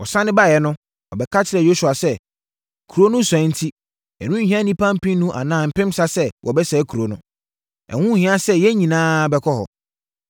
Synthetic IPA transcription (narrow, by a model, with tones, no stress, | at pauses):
wɔ˨sã˦nɪ̃˦ba˦˨jɛ˨nʊ̃˦ | wɔ˨bɛ˨˦kʰa˦t͡ɕʰɪ˨ɾɛ˨jo˦su˨a˨sɛ˦ | kʰu˨ɾo˦nʊ̃˦sɛ̃˨˦n̩˦tʰi˦ | ɛ̰˨nũ˦ɲ̩˦hĩ˦ã˦nĩ˦pʰã˦m̩˦pʰĩ˦nũ˦ʔa̰˨nãː˨˦m̩˨pɪ̃˦msa˦sɛ˦wʔɔ˨bɛ˦sɛ˨˦kʰu˨ɾo˨nʊ̃˦ | ɛ̰˨hũ˦hɪ̃˦ã˦sɛ˦jɛ˦ɲĩ˨nãː˦bɛ˦kʰɔ˦hɔ̰˨